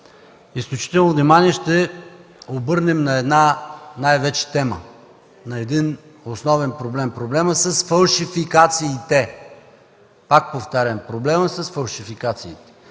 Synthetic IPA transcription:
isklʲut͡ʃi̥t̪ɛlˠnovnimaniɛʃt̪ɛ | obɤɾnɛmnɐɛd̪nanajvɛt͡ʃɛ̥t̪ɛmə̰ | nɐɛd̪in | osnɔvɛnpɾoblɛmpɾoblɛməsəsfɐlˠʃifikat̪siːt̪ɛ | pak̚poft̪aɾʲəmpɾoblɛməsəsfɐlˠʃifikat̪siːt̪ɛ̥

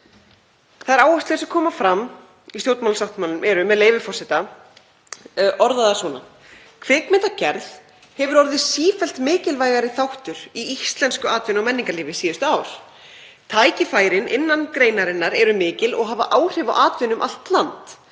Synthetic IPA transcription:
θaðɛɾaːwast̪lɪðɛsɛkʰɔːmafɾam | isjoːwt̪mawlsawht̪malːʏmɛɾʏmɛðleːjvɪfɔrsɪt̪a | ʔɔɾðaðasvɔːna | kʰvɪːkmɪnt̪acɛɾð | hɛvʏɾɔɾðɪsiːfɛl̥t̪mɪːcɪlvaːjɣaɾɪθawht̪ʏɾ̥iist̪lɛnskʏaːt̪vɪnawmɛnːiŋkaliːvɪsiːðʏst̪ʏaːwɾ̥ | t̪ʰaːjcɪfaːjɾɪnʔɪnːankɾeːjnaɾɪnːaɾɛɾʏmɪːcɪlɔ̰ɣɦaːvaʔaːwr̥ɪvawʔaːt̪vɪnʏmʔa̰l̥t̪lant̪

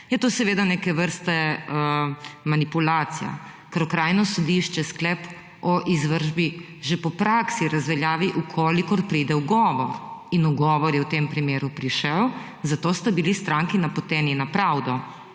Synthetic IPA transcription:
jɛt̪oːsɛʋeːd̪anekɛʋəɾst̪ɛəmanipulaːt̪sija̰ | kɐɾɔkɾaːjnɔsɔd̪iʃt͡ʃɛsklɛp | ɔʔizʋəɾʒbi | ʒepɔpɾaksiɾazʋɛljaːʋiʔukʰoːlikɔɾpɾiːd̪ɛwɡɔːʋɔɾinuɡɔːʋɔɾjɛwt̪eːmpɾimeːɾupɾiʃɛw | zat̪oːst̪abilist̪ɾaːŋkinapɔt̪ɛːninapɾawd̪ɔ

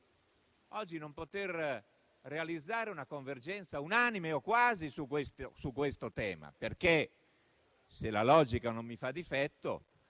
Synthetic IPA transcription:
ɔd͡ʒːinompot̪er | realid̪zːaːɾeunakoɱverd͡ʒɛnt̪saunanimeokːwaːzisukːwest̪osukːwest̪ot̪ɛːma̰perke | selalɔːd͡ʒikanomːifad̪ːifɛt̪ːo̰

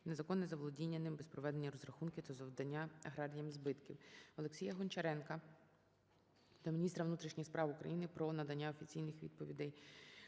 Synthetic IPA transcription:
nezɐkɔnːɛzɐʋlˠɔdʲinʲːɐnɪmbɛspɾɔʋɛd̪e̞nʲːɐɾɔzɾɐxunkʲɪt̪azɔwd̪ɐnʲːaɐɦɾɑɾʲɪjɐmzbɪt̪kʲiwɔlˠeksʲijɐɦɔnt͡ʃɐɾɛnkɐ | d̪ɐmʲinʲist̪ɾɐʋnut̪ɾʲiʃnʲɪxspɾɑwʊkɾɐ̰jinɪpɾɔnɐd̪ɐnʲːaɔfʲit͡sʲijnɪxʋʲḭd̪̚pɔʋʲḭd̪ɛj

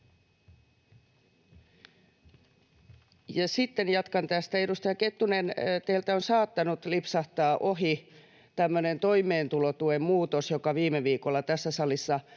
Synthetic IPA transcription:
jɑsit̪ːenjɑt̪kɑnt̪æst̪æeɾust̪ɑjɑket̪ːunent̪eilt̪æonsɑːt̪ːɑnut̪lipsɑht̪ɑːʔohi | t̪æmːønent̪oimˑeːnt̪ulot̪uemmuːt̪osjokɑʋiːmeʋiːkolːɑt̪æsːæsɑlisːɑ

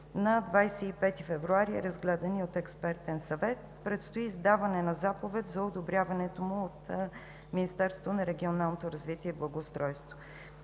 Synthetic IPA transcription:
nɐd̪vajsɛipɛt̪ifɛvɾuaɾiɾɐzɡlɛd̪ɐniot̪ɛkspɛɾt̪ɛnsɐvɛt̪̚ | pɾɛt̪st̪oiːzd̪avɐnɛnɐzapovɛt̪zɐod̪obɾʲjavɐnɛt̪omʊot̪ | minist̪ɛɾsot̪onɐɾɛɡʲionalˠnot̪oɾɐzvit̪iɛiblˠɐɡoːst̪ɾɔjst̪vo̥

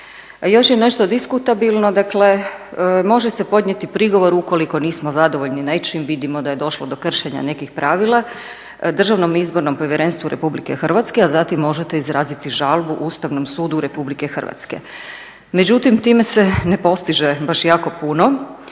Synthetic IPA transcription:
jo̞ʃjene̞ʃt̪o̞d̪iskut̪abilˠnod̪akle̞ | mo̞ʒese̞po̞d̪ɲe̞t̪ipɾiɡo̞ʋo̞ɾuko̞liko̞niːsmozad̪oʋo̞ʎninait͡ʃimʋid̪imod̪aje̞d̪o̞ʃlod̪o̞kr̩ʃeɲa̰ne̞kixpɾaːʋilˠa | d̪r̩ʒaʋno̞mizbo̞ɾno̞mpo̞ʋjeɾeːnst̪ʋuɾe̞̰publike̞xrʋat̪skeazat̪imːo̞ʒet̪eizɾaːzit̪iʒalˠbuʔuːst̪aʋnomsuːd̪uɾe̞publike̞xər̩ʋa̰t̪skḛ | med͡ʑut̪imt̪iːme̞senepo̞st̪iʒebaʃjaːko̞puno̞

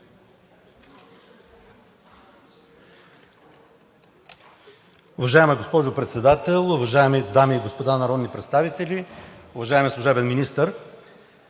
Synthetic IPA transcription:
ʊvɐʒaɛmɛɡospɔʒʊpɾɛt̪sɛd̪at̪ɛlˠʊvɐʒaɛmid̪amiːɡospod̪anɐɾɔd̪nipɾɛt̪st̪avit̪ɛlʲiʊvɐʒaɛmɛslˠʊʒɛbɛnminist̪əɾ

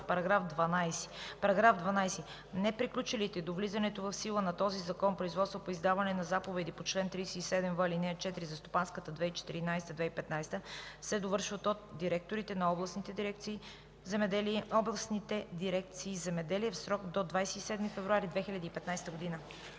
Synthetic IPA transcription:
pɐɾɐɡɾafd̪vɐnajsi̥pɐɾɐɡɾafd̪vɐnajsɛ | nɛpɾiklʲut͡ʃilit̪ɛd̪ovlizɐnɛt̪ovɐfsilˠənɐt̪ɔzizɐkɔnpɾoizvɔt̪st̪vopoizd̪avɐnɛnɐzapovɛd̪ipot͡ʃlɛnt̪ɾijsɛisɛd̪ɛmvəlinɛət͡ʃɛt̪iɾizɐst̪opanskət̪əd̪vɛit͡ʃɛ̥t̪ḭɾinajst̪əd̪vɛipɛt̪najst̪əsɛd̪ovɤɾʃvət̪ot̪̚d̪iɾɛk̚t̪oɾit̪ɛnɐɔblˠɐsnit̪ɛd̪iɾɛkt̪siː | zɛmɛd̪ɛliɛɔblˠɐsnit̪ɛd̪iɾɛk̚t̪siːzɛmɛd̪ɛliɛfsɾɔkd̪od̪vajsɛisɛd̪mifɛvɾuaɾid̪vɛxilʲɐd̪iːpɛt̪najst̪əɡod̪inə

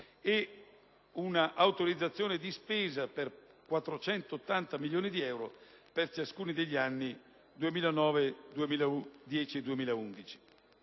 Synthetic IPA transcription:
e | unaʔawt̪oɾid̪zːat̪sːjoːned̪ispeːzaper | kwat̪ːɾot͡ʃɛnt̪oːt̪ːant̪amiljoːnid̪iɛwɾo̰ | pert͡ʃaskuːnid̪eʎːianːi | d̪uemiːlanɔːved̪uemiːlaud̪jɛːt͡ʃied̪uemiːlaund̪it͡ʃi̥

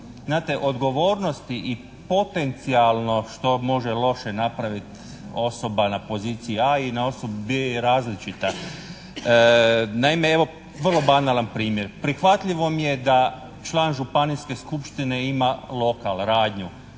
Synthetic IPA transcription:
znaːt̪e̞ʔo̞d̪ɡo̞ʋo̞ːɾno̞st̪iʔi | po̞t̪e̞nt̪sialˠno̞ʃt̪o̞mo̞ʒelˠo̞ʃe̞napɾaʋit̪ | o̞so̞banapo̞ziːt̪sijiainao̞sobubeɾaːzlit͡ʃit̪a | naimeeʋo̞ | ʋər̩lˠo̞banalˠanpɾiːmje̞ɾpɾixʋat̪ʎiʋo̞mije̞d̪a | t͡ʃlˠaːnʒupaniske̞skupʃt̪ine̞imalˠo̞kalɾaːd̪ɲu

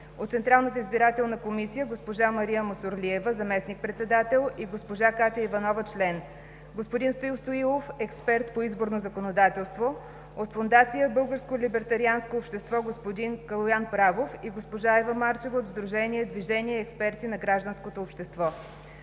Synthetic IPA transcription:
ot̪sɛnt̪ɾalˠnət̪əizbiɾat̪ɛlˠnɐkomisijəɡospoʒamɐɾiəmosoɾliɛvəzɐmɛsnik̚pɾɛt̪sɛd̪at̪ɛlˠiɡospoʒakat̪ʲəivɐnɔvət͡ʃlɛn | ɡospod̪inst̪oilˠst̪oilˠofɛkspɛɾt̪poizboɾnozəkonod̪at̪ɛlˠst̪vo | ot̪fond̪at̪sijəbɤlˠɡəɾskolʲibɛɾt̪ɐɾianskoːpʃt̪ɛst̪vɔɡospod̪inkəlˠojanpɾavofiɡospoʒaɛvəmaɾt͡ʃɛvəod̪zd̪ɾuʒɛniɛd̪viʒɛniɛːkspɛɾt̪inɐɡɾaʒd̪ənskot̪oːpʃt̪ɛst̪vɔ

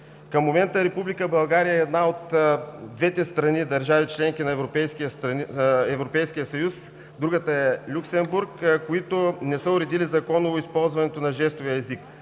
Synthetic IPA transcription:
kɐmːomɛnt̪əɾɛpublikəbɐlˠɡaɾijəɛːd̪naot̪d̪vɛt̪ɛst̪ɾɐnid̪ɐɾʒavit͡ʃlɛŋk̟inɐɛvɾopɛjskiəst̪ɛvɾopɛjsk̟ijəsɐjus | d̪ɾuɡət̪əɛlʲuksɛmbuɾkkoit̪onɛsəʊɾɛd̪ilizɐkɔnoispɔlˠzvɐnɛt̪onɐʒɛst̪oviəɛzik

